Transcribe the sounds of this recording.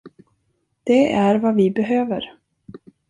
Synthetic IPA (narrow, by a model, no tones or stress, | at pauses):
d̪̥ɛæɾvavɪbɛɦøːvə̰ɾ